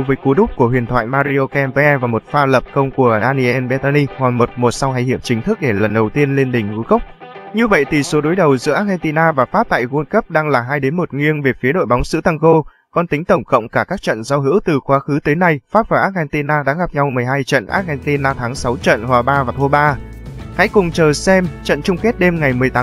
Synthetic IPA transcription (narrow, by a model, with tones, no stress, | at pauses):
vəː˨˦jku˨˦ɗʊ˦˥k͡p̚ku˧˩əɦwḭ˨˩ənt̪ʰwa̰ː˧˨jmaː˧ɾi˧ʔo˧kɛ˧mvvaː˨˩mo˨˩t̚faː˧lə˨˩p̚kə˧wŋ͡mku˧˩ənaː˧ni˧ʔɛ˧nɓɛ˨˧t̪a˧ni˧hwa˨˩ŋmo˨˩t̚mo˨˩t̚sa˧wha˧jhḭ˧˨əmt͡ɕï˨˦ŋt̪ʰɨ˦˥k̚ɗe˧˩lə˨˩nɗə˨˩wt̪i˧ənle˧nɗï˨˩ŋ̟ŋu˨˦ɣə˦˥k͡p̚ | ɲɨ˧və̰˧˨jt̪ʰi˨˩so˨˦ɗo˨˦jɗə˨˩wzɨ̰˧˥ʔaː˦˥k̚ɣɛ˧nt̪i˧naː˧vaː˨˩faː˦˥p̚t̪a̰ː˧˨jɣu˧nkə˦˥p̚ɗaː˧ŋlaː˨˩ɦaː˧jɗe˨˦nmo˨˩t̚ŋwi˧ənve˨˩fi˨˦ɗo̰˧˨jɓɔ˨˦wŋ͡mzɨ̰˧˥t̪a˧ŋɣo˧ | kɔ˧nt̪ï˨˦ŋ̟t̪ə˧˩wŋ͡mkə̰˧˨wŋ͡mkaː˧˩kaː˦˥k̚t͡ɕə̰˧˨nza˧wɦɨ̰˧˥wt̪ɨ˨˩xwaː˨˦xɨ˨˦t̪əː˨˦jna˧jfaː˦˥p̚vaː˨˩ʔaː˦˥t̚ɣɛ˧nt̪i˧naː˧ɗa̰ː˧˥ɣa˨˩p̚ɲa˧wmɨ˨˩əjɦaː˧jt͡ɕə̰˧˨nʔa̰ː˦˥t̚hɛ˧nt̪i˧nʔaː˧t̪ʰaː˨˦ŋsa˨˦wt͡ɕə̰˧˨nhwaː˨˩ɓaː˧vaː˨˩t̪ʰo˧ɓaː˧ | ha̰˧˥jkʊ˨˩ŋ͡mt͡ɕəː˨˩sɛ˧mt͡ɕə̰˧˨nt͡ɕʊ˧ŋ͡mke˦˥t̚ɗe˧mŋa˨˩jmɨ˨˩əjt̪aː˨˦